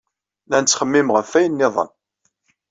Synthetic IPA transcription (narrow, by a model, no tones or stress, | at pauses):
nænt͡sːχəmːɪmʁəfːæjənːɪðˤə̰n